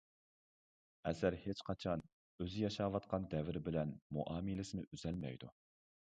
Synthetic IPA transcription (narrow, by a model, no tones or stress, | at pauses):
ɛsæɾhet͡ʃqʰɑt͡ʃʰɑn | øzɪjɑʃɑːvɑt̪̚qʰɑnd̪ɛvɪɾɪbɪlɛnmṵʔɑːmilɪsɪnɪʔyzɛlmɛ̰jd̪u